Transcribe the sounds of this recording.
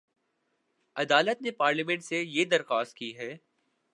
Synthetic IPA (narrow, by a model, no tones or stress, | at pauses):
ɐd̪aːlət̪nepaːɾlimɛ̃ɳʈsejed̪ɐɾxaːst̪̚kiɦɛː